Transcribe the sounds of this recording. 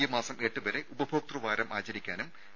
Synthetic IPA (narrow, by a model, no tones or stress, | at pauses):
jɐmaːsɐme̞ːʈːɨʋɐɾe̞ʔubɐbʱoːk̚t̪ruʋaːɾɐmʔaːt͡ɕɐɾikʲːaːnum